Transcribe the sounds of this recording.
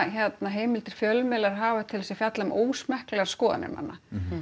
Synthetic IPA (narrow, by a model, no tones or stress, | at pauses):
çɛt̪naɦeːjmɪlt̪ɪɾ̥fjœlmɛlaɾ̥ɦaːvḁt̪ʰɪlvsɛfjat̪lamoːwsmɛhklɛɣaɾ̥skɔːða̰nɪ̰ɾma̰nːa